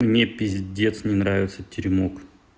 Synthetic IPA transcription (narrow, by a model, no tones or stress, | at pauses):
mnʲepʲɪzʲdʲet̪snʲɪnɾavʲɪt̪sətʲɪɾʲmok